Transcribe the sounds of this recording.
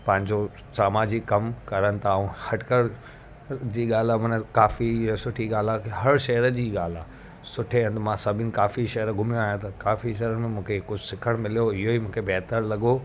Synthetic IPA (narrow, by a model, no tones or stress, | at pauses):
pɐ̃ɦɪ̃ɲd͡ʑosaːmaːd͡ʑɪkkɐmkɐɾənɪ̆t̪ʰãːhɐʈkəɾ | d͡ʑiːɠaːl̤amɐnəkaːfisʊʈʰiɠaːl̤akeɦɐɾʃɐɦəɾəd͡ʑiːɠaːl̤aː | sʊʈʰeɐ̃nd̪mãsɐbʱɪnɪ̆kaːfiʃɐɦəɾɡʱʊmjõaːjãt̪ʰɐkaːfiʃɐɦɾəmmũːkʰekʊd͡ʑʱʊsɪkʰəɽ̃mɪlijoɪɦoimũːkʰebɛːɦt̪əɾlɐɠo